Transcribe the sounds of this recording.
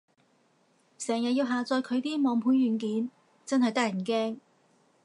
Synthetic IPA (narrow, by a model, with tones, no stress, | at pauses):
sɛː˨˩ŋjɐ˨t̚jiː˧wɦaː˨t͡sɔː˧jkʰɵ˨˧ɥt̪iː˥mɔː˨˥ŋpʰuː˨˥njyː˨˩nkiː˨˥n | t͡sɐ˥nhɐ˨jt̪ɐ˥k̚jɐ˨˩nkɛː˥ŋ